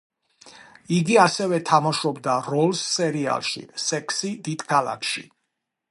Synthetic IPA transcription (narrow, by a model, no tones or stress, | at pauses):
iɡiasɛvɛt̪ʰamaʃɔbd̪aɾɔlˠsːɛɾia̰lˠʃḭsɛkʰsid̪id̪̥kʰalˠa̰kʰʃḭ